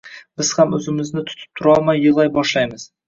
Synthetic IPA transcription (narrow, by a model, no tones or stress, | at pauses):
b̥ɪz̥hamɵzɪmɪznɪt̪ʰʊ̥t̪ʰɪ̥p̚t̪ʰʊɾɒlˠmajːʊlˠajbɒʃlajmɪz̥